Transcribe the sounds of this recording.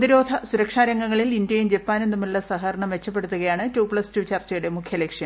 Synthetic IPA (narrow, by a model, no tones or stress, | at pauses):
d̪iɾo̞ːd̪ʱɐsuɾɐkʂaːɾɐŋːɡɐŋːɐɭilindjɐjumd͡ʑe̞pːaːne̞nːumiɭːɐsɐɦɐɾɐɳɐmʋe̞t͡ɕːɐp̬ːe̞ɽut̪ːuɣɐjaːɳɨtuːpɭɐstut͡ɕɐrt͡ɕːɐjuɽe̞mukʰjɐlekʂjɐ